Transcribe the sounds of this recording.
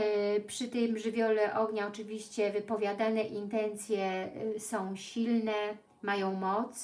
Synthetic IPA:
pʂɘt̪ɛjmʐɘvʲjɔlɛʔɔɡɲaɔt͡ʂɘvʲiɕt͡ɕɛvɘpɔvʲjad̪anɛʔint̪ɛnt̪sʲjɛsɔ̃w̃ɕilnɛ | majɔ̃w̃mɔt̪s

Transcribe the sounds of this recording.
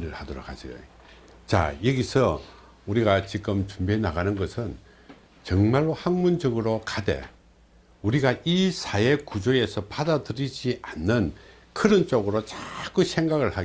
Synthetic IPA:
ɾɯɭhadʌɾo̰k̚had͡ʑio̰ | t͡ɕa̰jʌɡisʰʌ | uɾiɡat͡ɕik͈ɯmt͡ɕumbienaɣanɯnɡʌsʰɯn | t͡ɕʌŋmaɭːohaŋmund͡ʑʌɡɯɾokade̞̰ | uɾiɡaisʰae̞kud͡ʑoe̞sʰʌpadadɯɾid͡ʑiʔanːɯn | kʰɯɾɯnt͡ɕ͈oɡɯɾot͡ɕak͈usʰe̞ŋɡaɣɯɭha

